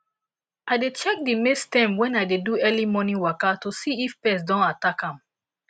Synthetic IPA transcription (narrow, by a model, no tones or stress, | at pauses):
aɪdet͡ʃɛk̚dimestɛ̃mwɛ̃naɪdeduɛlimɔnĩwakatosiifpɛs̬dɔ̃natakãm